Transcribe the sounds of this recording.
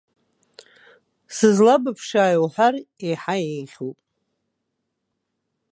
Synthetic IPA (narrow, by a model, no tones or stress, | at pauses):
sɨzlabapʰʂaːjwħar | ejħajejʁʲupʼ